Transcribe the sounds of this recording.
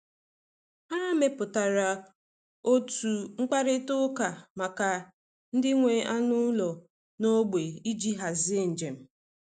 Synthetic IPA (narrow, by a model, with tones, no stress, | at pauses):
ha˦a˦me˨pʊ˨ta˨ɾa˨ | o˦tu˨ŋ͡m̩˦k͡pa˦ɾɪ˦tʊ˦ka˨ma˨ka˨ | n̩˦dɪ˦ŋʷe˨a˦nʊ˦lɔ˨ | no˦ɡ͡be˨i˦d͡ʒi˦ɦa˨zn̩˨d͡ʒe˨m̩˨